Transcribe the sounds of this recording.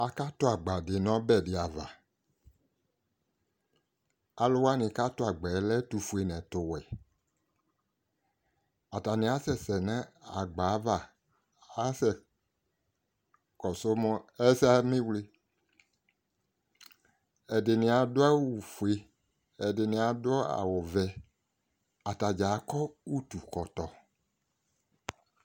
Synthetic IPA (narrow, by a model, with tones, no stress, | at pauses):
a˨ka˦tʊ˦a˨ɡ͡ba˨dɪ˨nɔ̃˨˦bɛ˦˨dɪ˨a˨va˨ | a˨lʊ˦wa˦nɪ̃˨ka˦tʊ˦a˨ɡ͡bɛ˨˦lɛ˦tu˨fu˨e˨nɛ̃˨tʊ˨wɛ˨ | a˨ta˨nɪ̃˨˦a˨˦sɛ˦˨sɛ˨nã˦a˨ɡ͡ba˨˦va˨ | a˦sɛ˨ | kɔ˨so˦mɔ̃˦ɛ˦sa˦mĩ˦wle˦ | ɛ˨dɪ˨nɪ̃˨a˨dʊ˦a˦wu˨fu˨e˦ | ɛ˨dɪ˨nɪ̃˨a˨dʊ˦ɔ˦a̰˨wʊ˨vɛ˨ | a˨ta˨d͡ʒa˨˦kɔ˦wu˦t̪u˨kɔ˨t̪ɔ˨